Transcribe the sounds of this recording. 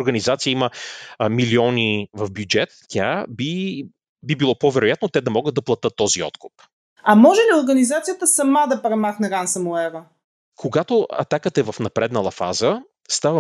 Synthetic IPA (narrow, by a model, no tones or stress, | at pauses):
ɾɡɐnizat̪sijəiməmiliɔnivɐfbjud͡ʒɛt̪tʲa̰bi | bibilˠɔpovɛɾʊjat̪not̪ɛd̪ɐmɔɡəd̪d̪ɐplˠɐt̪ɤt̪ːɔziɔ̰t̪kʊp | ɐmɔʒɛlioɾɡənizat̪sijət̪əsɐmad̪ɐpɾɛmaxnɛɾansɐmuɛvə | kʰoɡat̪oɐ̰t̪akət̪əɛvɐfnɐpɾɛd̪nəlˠɐfa̰zə | st̪avə